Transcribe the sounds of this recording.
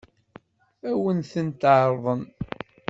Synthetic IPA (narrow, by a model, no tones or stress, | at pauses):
æwənθənt̪ʕɾˤðˤən